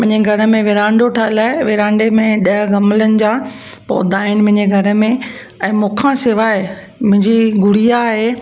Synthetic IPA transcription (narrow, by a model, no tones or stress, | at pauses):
mɐ̃ɦɪ̃ɲd͡ʑeɡʱɐɾə̆mẽʋɪɾãːɳɖoʈʰaːɪlaːɪʋɪɾãːɳɖemẽɗɐɦɡɐmlənɪ̆d͡ʑa | pɔ̰ːd̪aːɪñɪmɐ̃ɦɪ̃ɲd͡ʑeɡʱɐɾə̆mẽ | ɛ̃ːmʊ̃ːkʰãsɪʋaːɪ | mʊ̃ɦɪ̃ɲd͡ʑiɡʊɽ̤ijaːɦeː